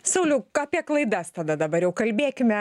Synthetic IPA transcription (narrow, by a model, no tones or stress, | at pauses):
sɐʊlʲʊkɑːpʲiɛklˠɐɪd̪ɐst̪ɐd̪ɐd̪ɐbɐɾjɛʊkɐlʲbʲeːkʲɪmʲɛ